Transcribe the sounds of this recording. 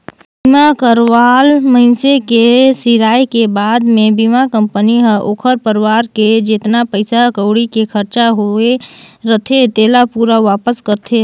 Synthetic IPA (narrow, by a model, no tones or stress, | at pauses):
bɪmakəɾʋaːlməɪnsekesɪɾaːjkebaːd̪mẽbimakə̃mpəniɦəʔoːkʰəɾpəɾʋaːɾked͡ʒɪt̪napəɪsakəʊɽikekʰəɾt͡ʃaɦoeɾət̪ʰet̪eːlapuːɾaʋaːpəskəɾt̪ʰe